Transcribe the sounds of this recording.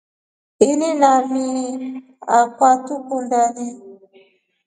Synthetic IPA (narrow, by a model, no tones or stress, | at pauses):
ininami | akwatukundani